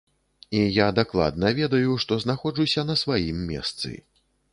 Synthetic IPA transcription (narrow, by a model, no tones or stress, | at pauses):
ijad̪aklˠa̰d̪nɐvʲɛd̪ɐjuʂt̪ɔznaxɔʐusʲɐnɐsvajimːʲɛ̰st̪sɨ̰